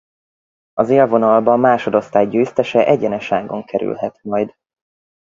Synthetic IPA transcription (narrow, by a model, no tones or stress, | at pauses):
ɒzeːlvo̞nɒlbɒmːaːʃo̞d̪o̞st̪aːjɟøːst̪ɛʃɛʔɛɟɛnɛʃaːɡo̞ŋkʰɛɾy̰lɦɛt̪mɒjd̪